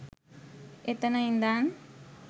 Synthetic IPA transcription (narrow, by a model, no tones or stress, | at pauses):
et̪anaind̪an